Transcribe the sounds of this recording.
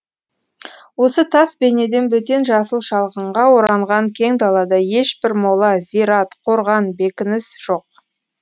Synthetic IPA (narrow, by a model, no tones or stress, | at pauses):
wo̞sət̪ʰɑsbe̞ne̞d̪e̞nbɵt̪e̞nʒɑsəlˠʃɑlˠʁəɴʁɑwo̞ɾɑɴʁɑŋkʲʰe̞ŋd̪ɑlˠɑd̪ɑje̞ʃbɪɾmo̞lˠɑziɾɑt̪qʰo̞ɾʁɑnbe̞kʲɪnɪsʒ̥o̞q̚